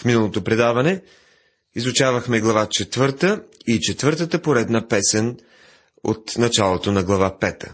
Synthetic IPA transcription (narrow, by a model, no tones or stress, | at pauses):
fminəlˠot̪opɾɛd̪avɐnɛ | izʊt͡ʃavəxmɛɡlˠɐvat͡ʃɛt̪vɤɾt̪əit͡ʃɛt̪vɤɾt̪ət̪əpoɾɛd̪nəpɛsɛn | o̰t̪nɐt͡ʃalˠot̪onɐɡlˠɐvapɛt̪ə̥̰